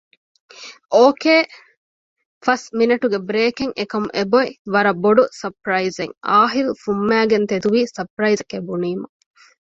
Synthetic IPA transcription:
ʔoːkeː | fɐsminɐʈuɡebɾeːkeŋʔekɐmuʔeboiʋɐɾɐboɖusɐpɾɐizeŋaːɦilufumːæːɡent̪ed̪uʋiːsɐpɾɐjzkebuniːmɐ

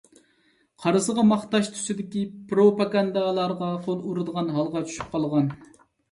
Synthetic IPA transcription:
qʰɑɾɨzəʁɑmɑχt̪ɑʃt̪ʰu̥sɪd̪ɪkʲipɾopɑɡɑnd̪ɑlˠɑɾʁɑqʰolˠuɾɨd̪əʁɑnɦɑlˠʁɑt͡ʃʰy̥ʃy̥p̚qʰɑlˠʁɑn

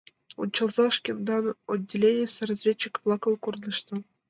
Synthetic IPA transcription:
ṵnʲt͡ɕːɤ̆lˠzɑʂkʲend̪ɑno̰dʲːelʲenʲesʲerɑzʲvʲet͡ɕːikvlˠɑkɤ̆lˠkurnɤ̆ʃt̪ɤ̆

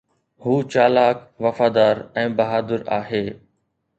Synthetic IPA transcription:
huːt͡ɕaːlaːkʋɐfaːd̪aːɾɛ̃ːbɐɦaːd̪əɾaːɦeː

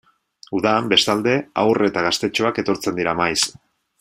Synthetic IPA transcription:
uðaːmbe̞st̪ald̪e̞a̰wre̞t̪aɣ̞ast̪e̞t͡ʃo̞ake̞t̪o̞ɾt͡se̞nd̪iɾamajs

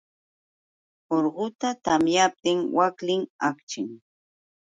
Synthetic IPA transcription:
oɾɢʊt̪at̪amjap̚t̪ɪŋwaklɪŋakt͡ʃɪŋ

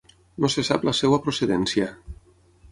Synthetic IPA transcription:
nosesa̰plasɛwapɾoseðɛnsja

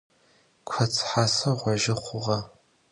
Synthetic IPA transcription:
kʷʰɐt͡sʰħaːsɐʁʷɐʒɪχʷʊʁɐ

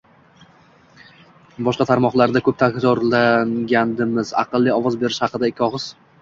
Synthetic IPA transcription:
bɒʃqɑt̪ʰaɾmɒχlˠaɾd̪akʰɵp̚t̪ʰakʲt̪ɒɾlaŋɡʲand̪ɪmɪzɑ̰qɨlˠːiɒvɒzbe̞ɾɪʃhɑqɨd̪aekʲʰːɒʁɨz̥

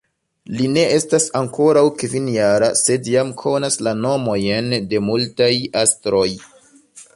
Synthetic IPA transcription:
line̞ʔe̞stasaŋko̞ɾawkvinjaɾase̞djamkʰo̞naslano̞mo̞jende̞multajastɾo̞j

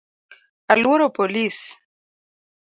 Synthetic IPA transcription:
alwoɾopolis

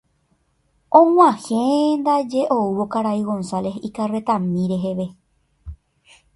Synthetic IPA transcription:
ʔõw̃ʷãhẽnd̪ad͡ʒe̞ʔouwo̞kaɾaiɣõ̞nsale̞ɦikare̞t̪ãmĩɾe̞ɦe̞ʋe̞

